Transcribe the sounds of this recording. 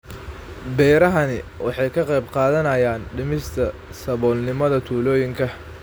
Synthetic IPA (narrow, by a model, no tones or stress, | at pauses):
bɛːjɾɐɦɐnɪwʔɑ̰ħɑjkʰɐqɛjbqɑːðɐnɐjaːnɖɪmɪst̪ʰɐsɐβɔːlnɪmɐðɐt̪ʰuːlɔːjɪŋkʰɐ